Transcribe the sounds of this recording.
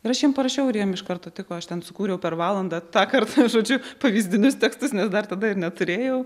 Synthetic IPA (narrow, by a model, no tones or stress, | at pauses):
ɪɾɐʃjiɛmpɐɾɐʃʲɛʊɾjiɛmɪʃkɐrt̪oːt̪ʲɪkoːɐʃt̪ʲɛnsʊkuːɾʲɛʊpʲɛrʋɑːlˠɐnd̪ɐːt̪ɑːkɐrt̪ʒoːd͡ʒʲʊpɐʋʲiːzʲd̪ʲɪnʲʊst̪ʲɛkst̪ʊsnʲɛsd̪ɐrt̪ɐd̪ɐɪɾnʲɛt̪ʊɾʲeːjɛʊ